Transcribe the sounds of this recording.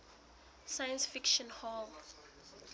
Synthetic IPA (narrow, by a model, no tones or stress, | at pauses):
sajə̃nsfikʃɔ̃nhɔl